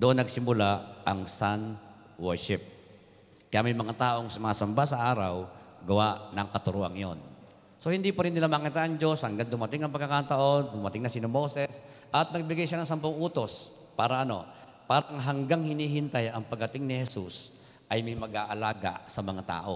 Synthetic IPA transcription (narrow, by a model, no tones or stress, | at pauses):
d̪oʔo̞nːɐɡ̚sɪmʊlaʔɐŋsan | wɛɹʃɪp̚ | kɐjamɐjmɐŋat̪aːʔo̞ŋsʊmaːsɐmbasɐʔaːɾɐwɡɐwaʔnɐŋkɐt̪ʊɾoːʔɐ̰ŋjon | so̞hɪnd̪ipɐɾɪnːɪlamaːkit̪anɐŋd͡ʒo̞shɐŋɡand̪ʊmɐt̪ɪŋɐŋpɐɡkːɐkaːt̪ɐʔo̞nd̪ʊmɐt̪ɪŋnɐsɪnɐmosɛs | ʔɐt̪̚nɐɡ̚bɪɡajʃanɐŋsɐmpoŋʔuːt̪o̞s | paːɾɐʔɐno̞̰ | paːɾɐŋɦɐŋɡaŋhɪniːɦɪnt̪ajɐŋpɐɡ̚ɐt̪ɪŋnɪhɛsus | ʔɐjmɐjmɐɡʔaːʔɐlaːɡa̰sɐmɐŋat̪a̰ːʔo̞̰